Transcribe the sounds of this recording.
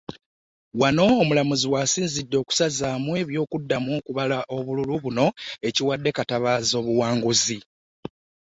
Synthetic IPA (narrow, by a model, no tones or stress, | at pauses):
wano̞ːmulamuziwaːsiːnzidːo̞ːku̥sazaːmwe̞ːβjo̞ːkudːamwo̞ːkuβalaʔo̞βululuβuno̞e̞ciwadːe̞kataβaːzo̞ːβuwaːŋɡuzi